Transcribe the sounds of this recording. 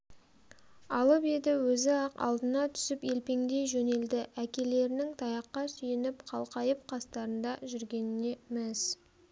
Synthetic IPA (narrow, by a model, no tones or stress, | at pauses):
ɑlˠəpe̞d̪ɪwɵzɪɑqɑ̰lˠd̪ənɑt̪ʰʏ̥sɪpe̞lpe̞ŋd̪e̞jʒɵne̞ld̪ɪʔækʲe̞le̞ɾɪnɪŋt̪ʰɑjɑqːɑsʏjenɪpqʰɑlˠqɑjəp̚qʰɑst̪ɑɾənd̪ɑʒʏɾɡʲe̞nɪne̞mes